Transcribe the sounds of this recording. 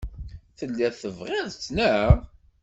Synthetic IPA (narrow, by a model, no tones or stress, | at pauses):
θəlːæθəvʁæðt͡sːnæ